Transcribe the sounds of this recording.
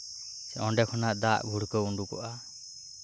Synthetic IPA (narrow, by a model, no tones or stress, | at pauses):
sɛɔɳɖɛkʰɔnaʔd̪aʔbʱuɽkɔuɳɖukɔ̰ʔa